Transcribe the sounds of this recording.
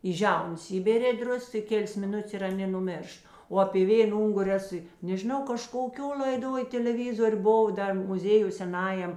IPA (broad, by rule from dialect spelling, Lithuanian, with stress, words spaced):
iː ˈʒʲɛʊnɐs ˈiːbʲeːrʲeː ˈdrʊsks ɪ ˈkʲeːlʲeːs mʲɪˈnʊtʲeːs ɪ ɐˈnʲeː nʊˈmʲeːrʃt oː ɐpʲeː ˈʋʲeːn ˈʊŋɡʊrʲɪ ˈæːsʊ ɪ nʲɛʒʲɪˈnɐʊ kɐʃkoːˈkʲoː lʲɐɪˈdoːj tʲɛlʲɛˈʋʲɪzoːrʲ bʊˈʋɐʊ ˈdɐr mʊˈzʲeːjʊj sʲɛˈnɑːjɛm